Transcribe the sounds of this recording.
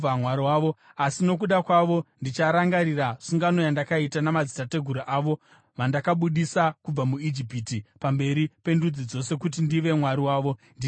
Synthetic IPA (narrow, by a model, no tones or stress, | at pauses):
amwaɾiwaːʋo̞asino̞k̬uɗakwaʋo̞ndit͡ʃaɾaŋɡaɾiraʂuŋɡano̞jandakaitanamad͡zitate̞ɡʱuɾaʔaːʋo̞ | ʋandakaɓuɗisakub͡vamuid͡ʒipitipambe̞ɾipe̞ndud͡zid͡zo̞se̞kut̬indiʋe̞mwaɾiwaːʋo̞ndi